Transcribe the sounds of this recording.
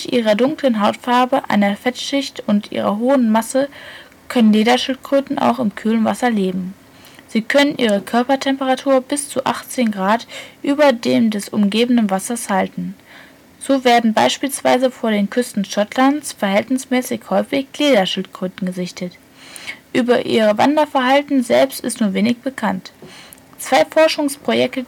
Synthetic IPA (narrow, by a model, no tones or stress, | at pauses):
tʔiːʁɐdʊŋklənɦaʊtfaɐbəʔa̰ɪnɐfɛtʃɪçtʊntʔḭːʁ̞ɐɦoːənmasə | kʰœnənleːdɐʃɪltɡ̥ʁ̥øːtn̩ʔa̰ʊxɪmkʰyːlənvasɐleːbm̩ | z̥iːkʰœnənʔiːʁ̞əkʰœɐpɐtʰɛmpəʁatʰuːɐbɪst͡suʔa̰χt͡seːnɡʁaːtʔyːbɐdeːmdɛsʔʊmɡeːbən̩dənvasɐshaltn̩ | z̥oːveːɐdn̩ba̰ɪʃpiːlsv̥a̰ɪzəfoːɐdeːnkʰʏstn̩ʃɔtʰlant͡sfɛɐɦɛltnɪsmɛːsɪçhɔʏfɪçkl̥eːdɐʃɪltɡ̥ʁ̥øːtn̩ɡəzɪçtʰət | ʔyːbɐʔḭːʁəva̰ndɐfɛɐɦaltn̩zɛlpstɪstnuːɐveːnɪçb̥əkʰant | t͡sv̥aɪfɔɐʃʊŋspʁ̥ojɛk̚tə